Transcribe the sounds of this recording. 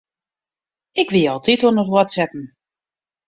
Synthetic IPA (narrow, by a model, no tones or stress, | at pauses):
ɪkʋiɔlˠtʰitɔnətwɔtsɛtn̩